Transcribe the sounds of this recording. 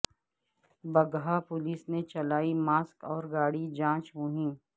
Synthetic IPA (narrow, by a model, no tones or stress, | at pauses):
bɐɡɦapʊliːsnet͡ʃɐlaːimaːskɔːɾɡaːɽid͡ʒãːt͡ʃɦõːɦĩː